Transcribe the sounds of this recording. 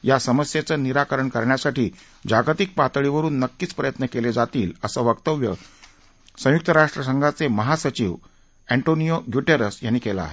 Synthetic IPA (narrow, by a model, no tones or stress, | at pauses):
jasəməsjet͡səniɾakəɾəɳkəɾɳjasaʈiː | d͡ʑaɡt̪ik̚pat̪ɭiʋəɾuːnːəkːiːt͡spɾəjət̪nəkeled͡zat̪iːləsəʋəkt̪əʋjə̰ | sə̃juk̚t̪əɾaʂʈɾəs̬əŋɡʱat͡seməɦasət͡ɕiːʋ | æɳʈonijoɡjuʈeɾəsjanːikela̰ːɦe